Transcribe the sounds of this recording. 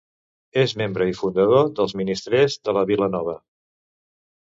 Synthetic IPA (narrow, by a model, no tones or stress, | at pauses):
ezmembɾəifund̪əðoðəlˠzminist̪ɾɛzðələβilənɔβ̞ə